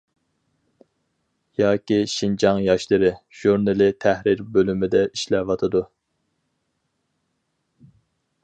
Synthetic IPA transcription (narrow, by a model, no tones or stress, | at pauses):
jɑːkʲiʃind͡ʒɑŋjɑʃlˠɨɾɨʒ̥uɾnɨlˠɪt̪ʰæhɾɪɾbølymɪd̪ɛʔiʃlɛvɑt̪ʰɨd̪u